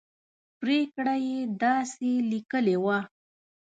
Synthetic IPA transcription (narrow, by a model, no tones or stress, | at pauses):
pɾekɽajed̪ɑselikəlewa